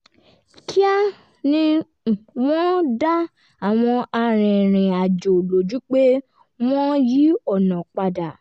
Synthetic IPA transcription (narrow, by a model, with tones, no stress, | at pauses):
kʰi˦a˦ | nĩ˦˨ | wɔ̃˦da˦ | a˨w̃ɔ̃˧a˧ɾ̃ĩ˨ɾ̃ĩ˨a˨d͡ʒo˨lo˨d͡ʒu˨˦k͡pe˦ | w̃ɔ̃˦ji˦ɔ˦˨nã˨k͡pa˧da˨